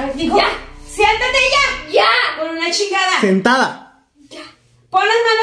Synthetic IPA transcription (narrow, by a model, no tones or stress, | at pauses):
iasjent̪at̪eʝaʝakonunat͡ʃiɣaðasent̪aða | ja | ponlazmano